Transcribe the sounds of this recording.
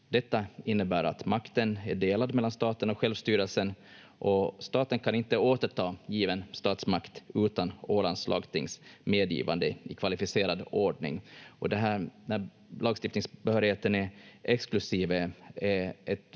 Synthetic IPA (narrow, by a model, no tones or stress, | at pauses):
d̪ɛt̪ːaɪnːəbæːɾa̰t̪makt̪ənæɖeːlad̪mɛlːanst̪ɑːt̪ənɔɧɛlvst̪yːɾəlsən | ʔɔst̪ɑːt̪ənkʰanɪnt̪əoːt̪əʈʰɑːjiːvənst̪ɑːt̪smakt̪ʉ̟ːt̪anoːlanslʔɑ̰ːɡt̪ʰɪ̰ŋsmeːd̪jḭːva̰nd̪əɪkʰvalɪfɪseːɾad̪oːɖɳɪ̰ŋɔd̪ɛɦæːɾnæɾ | lɑːɡst̪ɪft̪nɪŋsbɛhœːɾɪheːt̪ənɛɛksklɵsiːvəɛɛt̪